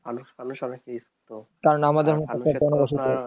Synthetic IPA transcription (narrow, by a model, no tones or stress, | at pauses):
t̪aɾnamad̪eɾmot̪oet̪onoboʃ̬it̪o